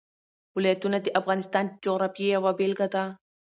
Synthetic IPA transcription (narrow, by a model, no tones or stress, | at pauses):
wʊlɐjɐt̪ːʊnɐt̪ːɪʔɐfɣaːnɪst̪aːnd͡ʒoɣɾaːfiɐwabeːlɡɐt̪aː